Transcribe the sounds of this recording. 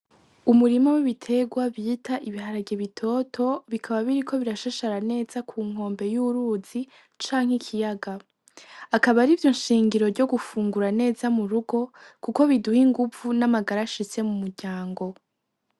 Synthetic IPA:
umuɾimowiβitʰe̞ɡwaβjitʰaʔiβiɦaɾaɟeβitʰo̞tʰo̞βikʰaβaβiɾikʰo̞βiɾaʃaʃaɾane̞ːzakʰuːŋ̥o̞ːmbe̞juɾuz̥i | t͡ʃaːŋhikʰijaɡa | akaβaɾiːvjo̞nʃiːŋɡiɾo̞ɾɟo̞ɡufuːŋɡuɾane̞ːzamuɾuɡo̞kuko̞βiduhiŋɡuvunamaɡaɾaʃise̞mumuɾɟ̥aːŋɡo̞

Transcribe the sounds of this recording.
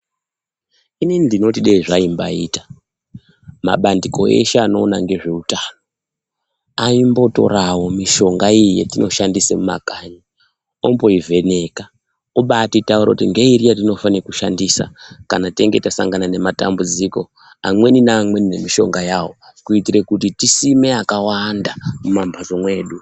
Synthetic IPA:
ininindino̞tiɗeiʐaimba̰iːtḁ | ma̰ɓandiko̞ḛʃeano̞ːnaŋɡe̞ʐe̞utaːno | aimbo̞to̞̰ɾawo̞miʃo̞ŋɡaijijḛtino̞ʃandisemuma̰kaɲa | ombo̞ivʱe̞ne̞ka | oɓatitauɾakutiŋɡe̞irijatino̞fanirekuʃandiːsa̰kanateŋɡe̞tasa̰ŋɡanane̞mata̰mbud͡ziko̞ | a̰mwe̞ninaːmwe̞nine̞miʃo̞̰ŋɡajaːwo̞kuitirekutitisime̞akawandamumambʱazo̞mwe̞ːɗu

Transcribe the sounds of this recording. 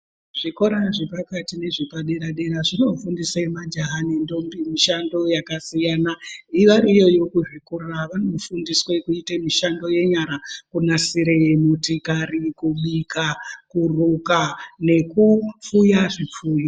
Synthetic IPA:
ʐ̥iko̞ɾaʐepakatine̞ʐipaɗeɾaɗeɾaʐino̞fundisamad͡ʒaɦanendo̞mbimiʃando̞jakasijanaiʋaɾijo̞jo̞kuʐikuraʋano̞fundiswe̞kuitemiʃando̞je̞ɲaɾakunasiɾeemutikarikuɓikakurukane̞kufujaʐip͡fuːjo

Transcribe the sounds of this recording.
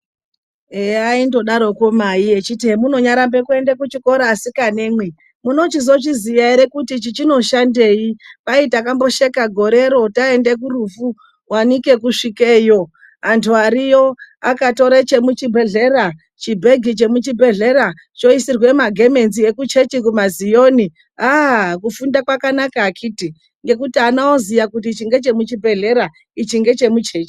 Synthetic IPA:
eaindo̞ɗaɾo̞ko̞maiet͡ʃitiemuno̞ɲaɾambe̞kue̞ndekut͡ʃiko̞ɾaːsikane̞ːmwe̞ | muno̞t͡ʃizo̞t͡ʃizijaiɾe̞kutit͡ʃit͡ʃino̞ʃande̞ipaitakambo̞ʃe̞kaɡʱo̞ɾe̞ɾo̞tae̞ndek̬urufu | wanike̞kuʂikeːjo̞ | antʰuaɾijo̞akato̞ɾet͡ʃe̞mut͡ʃibʱe̞ɮe̞ɾa | t͡ʃibʱe̞ɡʱit͡ʃe̞mut͡ʃibʱe̞ɮe̞ɾa | t͡ʃo̞isirwe̞maɡʱe̞me̞nzie̞kut͡ʃe̞t͡ʃik̬umazijo̞ni | akufundakwakanakaːkiːti | ŋɡe̞kutianaozijakutit͡ʃiŋɡe̞t͡ʃe̞mut͡ʃibʱe̞ɮe̞ɾa | it͡ʃiŋɡe̞t͡ʃe̞mut͡ʃe̞ːt͡ʃi̥

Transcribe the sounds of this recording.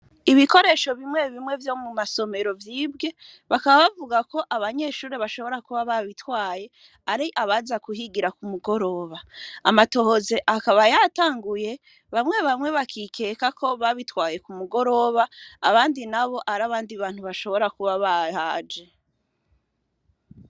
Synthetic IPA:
iβiko̞ɾe̞ːʃo̞βimŋe̞βimŋe̞vjo̞mumaso̞me̞ɾo̞vjiːbɡe̞ | βakaβaβavuɡako̞ʔaβaɲe̞ːʃuːɾeβaʃo̞βo̞ɾakuβaβaβitwaːje̞ | aɾiʔaβazakuhiɡiɾakumuɡo̞ɾo̞ːβaamato̞hozeʔakaβajataːŋɡuje̞ | βamŋe̞βamŋwe̞βakʰikʰe̞kakʰo̞βaβitwaːje̞kumuɡo̞ɾo̞βaːβaːndinaβo̞ʔaɾaβaːndiβaːn̥huβaʃo̞βo̞ɾakuβaβahaːd͡ʒe̞

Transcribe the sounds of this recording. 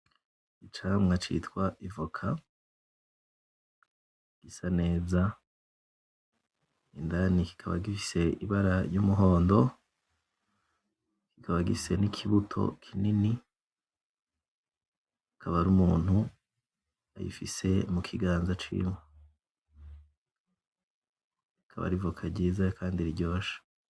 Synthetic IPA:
it͡ʃamŋat͡ʃḭtwaʔivokʰa | ɡ̥isane̞ːza | indaniki̥kʰaβa̰ɡifise̞iβaɾajumuɦo̞ːndo̞ | kikʰaβaɡifise̞nikʰiβutʰo̞̰kʰinini | ikʰaβaɾumuːn̥hu | a̰jḭfise̞mukʰiɡaːnzat͡ʃḭmwe | ikʰa̰βa̰ɾivukʰaɟiːzakʰaːndiɾiɟoːʃḁ

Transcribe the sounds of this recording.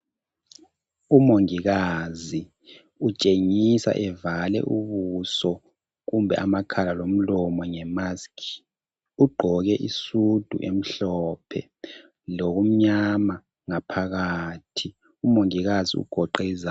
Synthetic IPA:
umoŋiɣazi | ut͡ʃʼeŋisa̰ʔɛvalɛ̰ʔuβusɔ | ɣumbʱɛ̰ʔamakʰalalom̩lɔmɔŋɛmaskʰi̥ | uɡ͡ǃʱɔɣɛʔisud̥ʱṵʔem̩ɬɔːpʰɛ̰ | loɣum̩ɲama | ŋapʰaɣaːtʰi | umoŋiɣazḭṵɡ̥ʱɔǃɛiza

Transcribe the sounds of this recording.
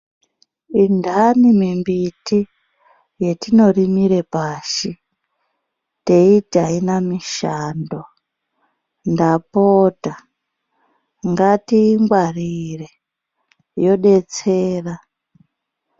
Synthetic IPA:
indʱanimimbiti | je̞tino̞rimiɾe̞paːʃi | te̞itainamiʃando | ndapoːta | ŋɡatiːŋɡwarire | jo̞ɗe̞t͡seːra

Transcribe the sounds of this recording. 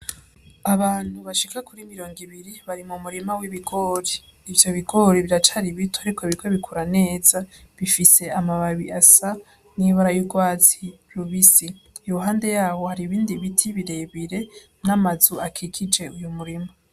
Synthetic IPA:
aβaːn̥huβaʃikakuɾimiɾo̞ːŋɡiβiɾiβaɾimumuɾimawiβiɡo̞ɾiːvjo̞βiɡo̞ɾiβiɾat͡ʃaɾiβitʰoaɾikoβikweβikuɾane̞ːzaβifise̞amaβaβiasa | niβaɾajuɡwaːt͡siɾuβisiːjoɦaːnde̞jaːβo̞haɾiβiːndiβitʰiβiɾe̞βiɾe̞ | namazuakʰikʰid͡ʒe̞ujumuɾima

